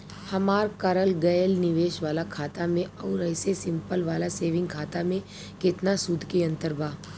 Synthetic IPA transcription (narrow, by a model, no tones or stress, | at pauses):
hɐmaːɾkɐɾəlɡɐjəlnɪʋeːʃʋaːlakʰaːt̪amẽɔːɾɛːsesɪ̃mpəlʋaːlaseːʋɪ̃ŋɡkʰaːt̪amẽ | kɪt̪nasʊd̪ʱkiɐ̃nt̪əɾbʱaː